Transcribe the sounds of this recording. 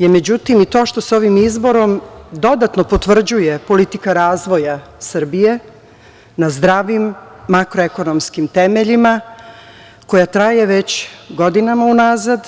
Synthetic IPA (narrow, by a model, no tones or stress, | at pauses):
jemed͡ʑut̪imit̪o̞ːʃt̪o̞so̞ʋimizbo̞ɾo̞md̪o̞d̪at̪nopo̞t̪ʋr̩d͡ʑujepo̞lit̪ikaɾaːzʋo̞ja | sɨr̩bije | nazd̪ɾaːʋimː | akɾoeko̞nomskimt̪emeʎima | ko̞jat̪ɾaje̞ʋet͡ɕɡo̞d̪inamaunaːzad̪